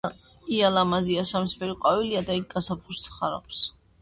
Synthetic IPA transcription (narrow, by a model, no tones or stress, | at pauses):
ialamaziasamsbɛɾiqʼwaviliad̪aik̚ɡasapʰuɾsʰχaɾa̰pʰs